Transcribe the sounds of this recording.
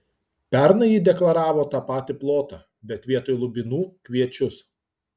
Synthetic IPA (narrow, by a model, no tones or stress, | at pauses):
pʲɛɾnɐjiːd̪ʲɛklˠɐɾɑːʋoːt̪ɑːpɑːt̪ʲɪplˠoːt̪ɑː | bʲɛt̪ʲʋʲiɛt̪oːjlˠʊbʲɪnuːkʲʋʲiɛt͡ʃʲʊs